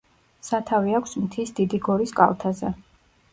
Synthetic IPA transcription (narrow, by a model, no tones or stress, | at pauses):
sat̪ʰaviakʷʰsmt̪ʰisd̪id̪iɡɔɾiskʼa̰lˠt̪ʰazɛ̰